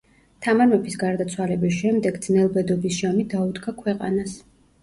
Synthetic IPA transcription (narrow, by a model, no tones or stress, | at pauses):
t̪ʰamaɾmɛbisɡaɾd̪at̪sʰwalɛbisʃɛmd̪ɛɡd̪znɛlˠbɛd̪ɔbisʒamid̪aud̪ɡakʰwɛqʼa̰nas